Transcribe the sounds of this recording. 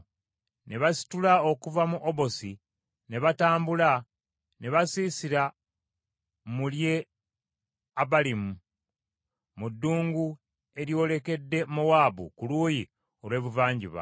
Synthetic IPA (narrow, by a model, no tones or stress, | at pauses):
ne̞βasi̥tulao̞kuvamuʔoβo̞si | ne̞βataːmbula | ne̞βasiːsiɾa | mulje̞ | aβalimu | mudːuːŋɡu | e̞ɾjo̞ːle̞ke̞dːe̞mowaːbṵkuluːji | o̞lwe̞ːβuvaːɲɟiβa̰